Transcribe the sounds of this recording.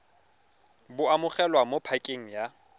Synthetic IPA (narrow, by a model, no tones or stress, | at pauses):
bʊamʊχɛlwamopʰakʼeŋ̩ja